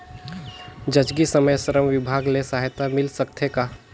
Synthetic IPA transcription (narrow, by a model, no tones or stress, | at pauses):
d͡ʒəd͡ʒɡisəməjsəɾəmʋɪbʱaːɡlesaɦɪt̪amɪlsəkt̪ʰeka